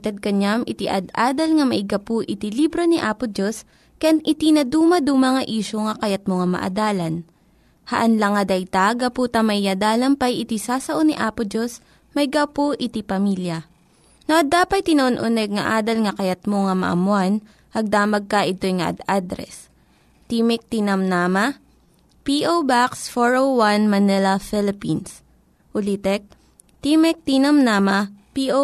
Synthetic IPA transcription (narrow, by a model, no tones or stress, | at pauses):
t̪ɛd̪̚kɐɲamʔɪt̪ɪʔɐd̪ʔaːd̪ɐlŋɐmɐʔɪɡɐpoʔɪt̪ilibɾoniʔaːpʊd͡ʒos | kɐjanʔɪt̪inɐd̪uːmɐd̪umɐŋɐʔiːʃoŋɐkɐjɐt̪̚moŋɐmɐ̰ʔɐ̰d̪aːlɐn | hɐʔɐnlɐŋːɐd̪ɐjt̪aɡɐpuːt̪ɐmɐʔiad̪aːlɐmpɐjʔɪt̪isaːsɐʔoniʔaːpod͡ʒos | mɐɪɡapoʔɪt̪ipɐmiːljɐ | noʔɐd̪aːpɐt̪̚t̪ɪnɐʔonʔʊnɛɡ̚ŋɐ̰ʔaːd̪ɐlŋɐkɐjɐt̪̚moŋɐmɐ̰ʔɐ̰mʊan | ʔɐɡ̚d̪aːmɐɡ̚kɐʔɪt̪o̞jŋɐ̰ʔɐ̰d̪ad̪ɾɛ̰s | t̪imɛk̚t̪inɐmnaːmɐ | piʔowbaksfoɹowwanmɐnɛlɐfɪlɪpins | ʔʊlit̪ɛk̚ | t̪imɛk̚t̪inɐmnaːmɐpiʔo